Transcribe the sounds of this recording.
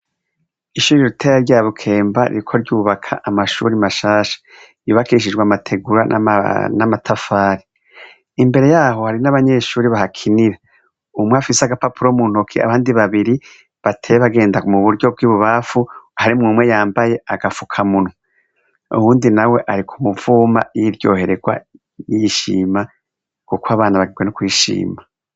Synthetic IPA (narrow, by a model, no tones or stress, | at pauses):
iʃuːɾiɾutʰeɾaɾɟaːβukʰe̞ːmbaɾḭɾikʰo̞ɾɟuːβakʰa̰ʔamaʃṵːɾimaʃaːʃḁ | juːβakiʃ̬id͡ʒɡwamatʰe̞ɡuɾa̰namatʰafaːɾi | imbe̞ɾe̞jaːɦo̞haɾinaβaɲe̞ʃuːɾiβahakʰiniɾa | umweafiseaɡapapuɾomun̥hokʰia̰βaːndiβaβiɾi | βatʰeβaɡe̞ːndakumuβuɾɟo̞b̚ɡiːβuβafuhaɾimŋumwe̞jaːmbaje̞aɡafukʰamuno | ṵhuːndinawe̞ʔaɾikʰumuvuːma̰jiɾjo̞̰ːhe̞ɾeɡwa̰ | jiʃḭːma | kukwaβaːnaβaɡiɡwe̞nukwiːʃḭːma